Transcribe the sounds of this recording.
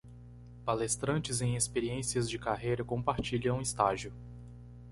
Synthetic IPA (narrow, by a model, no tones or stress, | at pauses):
palest̪ɾɐ̃t͡ʃɪzẽj̃espeɾiẽsiɐzd͡ʒɪkaɦejɾɐkõpaɾt͡ʃiʎɐ̃w̃ũist̪aʒiʊ